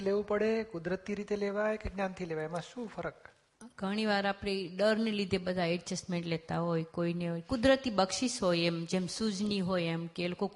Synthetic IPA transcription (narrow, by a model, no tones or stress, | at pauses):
leʋũpəɽekʊd̪ɾət̪iɾit̪eleʋajkeɡnãnt̪ʰileʋaemãʃũfʰəɾək̚ | ɡʱəɽ̃iʋaɾapɽeɖəɾnelid̪ʱebəd̪ʱaɛɖd͡ʒəsmeɳʈlet̪aɦojkoineɦojkʊd̪ɾət̪ibəkʃiʃɦojemd͡ʒemsud͡ʒniɦojemkeloko